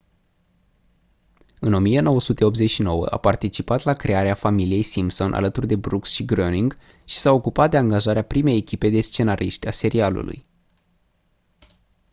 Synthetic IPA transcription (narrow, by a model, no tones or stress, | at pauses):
ɨno̞mije̞no̞wəsut̪e̞o̞p̪ze̞ʃino̞wə̰ʔa̰part̪it͡ʃipat̪lakɾe̞aɾeafamilije̞jsimpso̞nʔa̰lət̪urd̪e̞bɾuksʃiɡɾoniŋɡ | ʃi̥sao̞kupat̪̚d̪eaŋɡaʒaɾeapɾime̞jekʲipe̞d̪e̞st͡ʃe̞naɾʔiʃt̪ʲase̞ɾialṵlṵj